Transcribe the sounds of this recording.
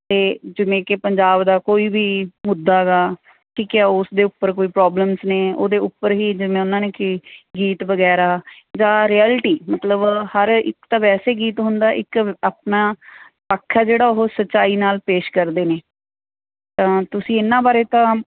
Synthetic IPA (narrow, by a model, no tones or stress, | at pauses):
t̪eːd͡ʒəʋẽːkepəɲd͡ʒaːbd̪aːkoːiːbiːmʊd̪ːaːɡaː | kiːkaːʊsd̪eːʊpːəɾkoːiːpɾaːbləmsneːo̰ːd̪eːʊpːəɾɦiːd͡ʒəʋẽːʊnãːneːkɪɡiːt̪ʋəɡɛːɾaː | d͡ʒãːɾiːɛːlʈiːmət̪ləbhəɾɪ̰kt̪ãːʋɛːseːɡiːt̪ɦʊnd̪aːʔɪkaːpnaː | paːkʰːaːd͡ʒeːɽaːoɦoːsəʃaːiːnaːlpeːʃkəɾd̪eːneː | t̪ãːt̪ʊsĩːɪnːãːbaːɾeːt̪ãː